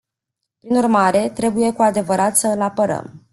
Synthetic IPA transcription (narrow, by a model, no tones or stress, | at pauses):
pɾinurmaɾe̞t̪ɾe̞buje̞kuad̪e̞vəɾat̪səɨlapəɾə̰m